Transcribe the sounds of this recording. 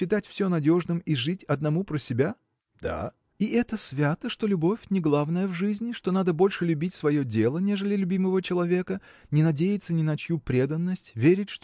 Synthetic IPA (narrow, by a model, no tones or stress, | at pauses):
ɪt̪atʲfsʲonɐdʲo̞ʐnɨmiʐɨtʲɐd̪nɐmupɾəsʲɪbʲa | d̪̥a̰ | iʔɛt̪əsvʲat̪əʂt̪o̞lʲʊbo̞fʲnʲɪɡlˠavnəjəvʐɨzʲnʲɪʂt̪o̞nad̪əbo̞lʲʂɨlʲʉbʲitʲsvɐjodʲelˠənʲe̞ʐɨlʲɪlʲʊbʲiməvət͡ɕɪlˠɐvʲe̞kə | nʲɪnɐdʲejɪt̪sənʲɪnɐt͡ɕjupɾʲe̞d̪ənːəsʲtʲvʲeɾʲɪt̚ʲʂt̪